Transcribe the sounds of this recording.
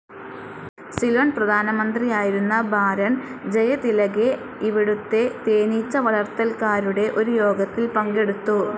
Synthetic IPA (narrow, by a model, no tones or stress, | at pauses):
silɐnprɐd̪ʱaːnɐmɐnd̪rijaːjiɾunːɐbaːɾɐnd͡ʑejɐt̪ilɐɡe̞ | iʋiɽut̪ːe̞t̪e̞ːnit͡ɕːɐʋɐɭɐrt̪ːɐlkaːɾuɽe̞ʔo̞ɾujo̞ːɡɐt̪ːilpɐŋɡe̞ɽut̪ːu